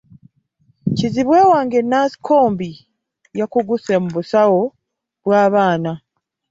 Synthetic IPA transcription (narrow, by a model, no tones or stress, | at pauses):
ciziβwe̞ːwaːŋɡe̞nːasi̥kʰo̞ːmbi | jakuɡusemuβusawo̞ | βwaːβaːna